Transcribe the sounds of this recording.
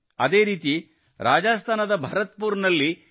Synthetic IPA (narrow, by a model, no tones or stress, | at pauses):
ɐd̪e̞ːɾiːt̪i | ɾaːd͡ʒaːst̪ʰaːnɐd̪ɐbʱɐɾɐt̪̚puːɾnɐlːi